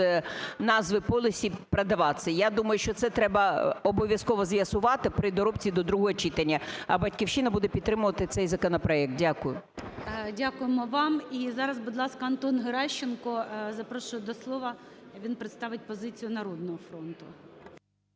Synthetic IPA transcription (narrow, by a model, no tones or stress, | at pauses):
nɑzʋɪpɔlʲˠɪsʲipɾɐd̪ɐʋɑsɛjad̪umɐjʊʃt͡ʃɔt̪sɛt̪ɾɛbɐɔbɔʋʲjɐskɔʋɔzʋjɐsʊʋɑt̪ɪpɾɪd̪ɔɾɔp̚t͡sʲid̪ɔd̪ɾuɦɔɦɔt͡ʃit̪ɐnʲːɐɐbɐtʲkʲiwʃɪnɐbud̪ɛpʲid̪ːɾɪmʊʋɐt̪ɪt̪sɛjzɐkɔnɔpɾɔɛk̚t̪̚dʲakʊjʊ | dʲakʊjemɔʋɑmizɑɾɐzbʊd̪lˠɑskɐɐnt̪ɔnɦeɾɑʃt͡ʃːenkɔzɐpɾɔʃʊd̪ɔslˠɔʋɐʋʲinpɾɪt̪st̪ɑʋɪt̚ʲpɔzɪt͡sʲijʊnɐɾɔd̪̚nɔɦɔfɾɔnt̪ʊ